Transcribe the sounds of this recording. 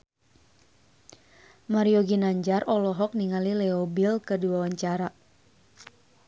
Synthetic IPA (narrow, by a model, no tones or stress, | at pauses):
maɾiɔɡinaɲd͡ʒarɔlɔɦɔk̚niŋalilɛɔbilkəduawaɲt͡ʃaɾa